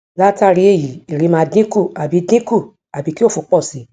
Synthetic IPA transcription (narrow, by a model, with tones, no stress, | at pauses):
la˦ta˦˨ɾi˧˦e˦˨ji˨i˨ɾi˨˧˦mãː˧dĩ˦ku˦˨a˨bi˨˧˦dĩ˦ku˦˨ | a˨bi˨˧˦ki˦o˦fu˧˦k͡pɔ˦˨si˨˦